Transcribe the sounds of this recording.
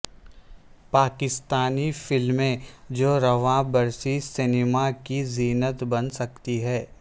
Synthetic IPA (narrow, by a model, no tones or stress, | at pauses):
paːkɪst̪aːnifɪlmẽd͡ʒoːɾɐʋãbɐɾsisɪneːmakiziːnət̪bɐnsɐkt̪iɦɛː